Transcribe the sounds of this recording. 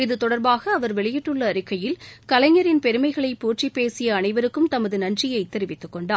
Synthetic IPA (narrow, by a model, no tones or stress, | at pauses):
ɪðɯt̪ɔɽɐɾbaːɣɐːʋɐɾʋɛɭɪjɪʈːɯɭːɐːɾɪkːɐjɪlkɐlɐɲɐɾɪnpɛɾɯmɐɪɣɐɭɐɪpuːʈt͡ʃripːeːsɪjɐːnɐɪʋɐɾɯkːɯmt̪ɐmɐðɯnɐnrɪjɐɪt̪ːɪɾɪʋɪt̪ːɯkːɔɳɖaː